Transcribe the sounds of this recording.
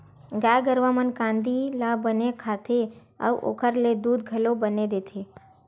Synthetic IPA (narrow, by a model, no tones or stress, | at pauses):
ɡajɡəɾʋamənkãnd̪ilabənekʰat̪ʰe | a̰ʋʔo̰kʰəɾled̪ud̪̚ɡʱəlobəned̪et̪ʰe